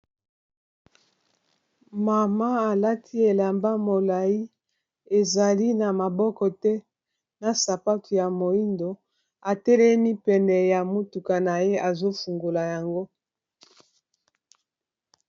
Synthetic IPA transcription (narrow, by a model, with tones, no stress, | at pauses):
ma˨ma˦a˨la˦tʰi˦e˨la˨mba˦mo˨la˨ji˦ | e˨za˨li˦na˨ma˨bɔ˦kɔ˨tɛ˦ | na˨sa˨pa˦tu˨ja˨mo˨i˦ndo˨ | a˨tɛ˦lɛ˦mi˦pɛ˨nɛ˨ja˨mo˦tu˨ka˨na˨je˦ʔa˨zo˦fu˨ŋɡo˨la˨ja˨ŋɡo˦